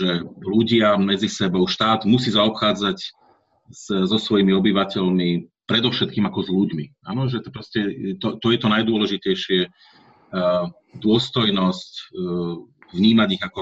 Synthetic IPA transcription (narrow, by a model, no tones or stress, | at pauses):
ʒɛluɟɪamɛd͡zisɛbɔʊʃt̪aːd̪mus̬iːzaɔpxaːd͡zac | szɔsʋɔjimiɔbiʋacɛʎmipɾɛd̪ɔʊʃɛt̪̚kiːmakɔzʎuɟmia̰ːnɔʒɛt̪pɾɔscɛt̪ɔt̪ɔjɛt̪ɔnajd̪ʊɔlɛʒicɛjʃɪɛ | d̪ʊɔst̪ɔjnɔsc | vɲiːmaɟiɣakɔ